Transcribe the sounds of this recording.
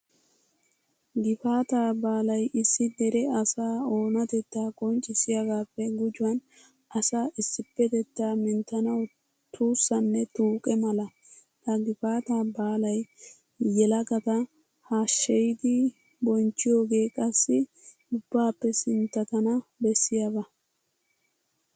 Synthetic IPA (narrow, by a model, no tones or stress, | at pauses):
ɡɪfaːt̪aːbaːlɐjɪsːɪd̪ɛɾɛɐsaːo̞ːnɐt̪ɛt̪ːaːkʼɔnt͡ʃʼːɪsɪjɐɡaːpːɛɡʊd͡ʒʊwɐn | ʔɐsaːʔɪsːɪpːɛt̪ɛt̪ːaːmɪnt̪ːɐnɐw | t̪ʰuːsːɐnːɛt̪uːkʼɛmɐlɐ | ɐɡɪfaːt̪aːbaːlɐj | jɛlɐɡɐt̪ɐ | haːʃːɛjɪd̪ɪ | bɔnt͡ʃːɪjo̞ːɡe̞ːkʼɐsːɪ | ʊbːaːpːɛsɪnt̪ːɐt̪ɐnɐbɛsːɪjabɐ